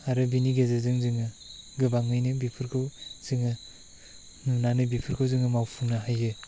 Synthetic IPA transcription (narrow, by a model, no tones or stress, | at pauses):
aɾɯbiniɡezɯzɯŋzɯŋɯ | ɡɯbaŋmɯjnɯbipʰɯɾkʰɯwz̥ɯŋɯ | nunanɯbipʰɯɾkʰɯwzɯŋɯmawpʰuŋnaɦajːɯ